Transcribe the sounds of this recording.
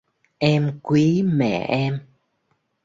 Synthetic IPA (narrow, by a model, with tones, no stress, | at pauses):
ʔɛ˧mkwi˨˦mɛ̰˧˨ʔɛ˧m